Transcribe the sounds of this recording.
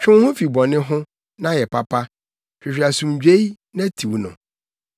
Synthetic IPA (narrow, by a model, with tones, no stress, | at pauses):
t͡ɕᶣʊ̃˦hʊ̃˦fi˨bɔ˨nɪ̃˦ɦʊ̃˦ | nã˦jɛ˨pa˦pʰa˦ | ɕᶣɪ˨ɕᶣɪ˨a˨sũ˨md͡ʑᶣe˦i˦ | nã˦tʰi˨wnʊ̰̃˨